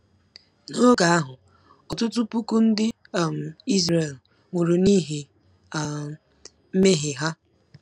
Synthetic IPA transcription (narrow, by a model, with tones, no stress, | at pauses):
no˦ɡa˨a˦ɦʊ˨ | ɔ˨tʊ˦tʊ˦pu˦ku˦n̩˦dɪ˦˨ | m̩˨i˦zɾe˨l̩˨ | ŋʷe˨ɾu˨ni˦ɦe˨ | m̩˦me˦ɦe˨ɦa˦